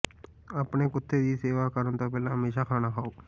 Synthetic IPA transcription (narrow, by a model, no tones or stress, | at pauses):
əpnekʊt̪ʰːed̪iseːʋakəɾənt̪opɛːlãɦəmeːʃakʰaːnakʰaːoː